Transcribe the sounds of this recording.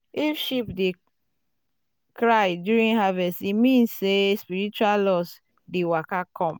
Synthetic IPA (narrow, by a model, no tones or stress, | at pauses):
ifʃipde | kɹajdjuɾĩnɦavɛstimĩnsːespiɹit͡ʃuallɔs | dewakakʰɔ̃m